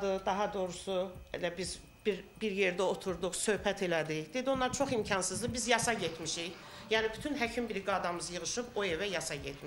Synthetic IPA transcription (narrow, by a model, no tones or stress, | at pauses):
d̪ɯd̪ɑɦɑd̪o̞ɾusuḛlæbiz | biɾbiɾjeɾd̪æo̞t̪ʰuɾd̪uχsø̞hpʰæt̪ʰe̞læd̪içd̪ed̪ionˠɑɾt͡ʃʰo̞χimcʰɑnsɯzd̪ɯbizjɑsɑɟet̪ʰmiʃiç | jæːnibyt̪ʰynɦæcʰimbiɾiɡɑːd̪ɑmɯzjɯʁɯʃɯpoevæjɑsɑɟet̪ʰmiʃ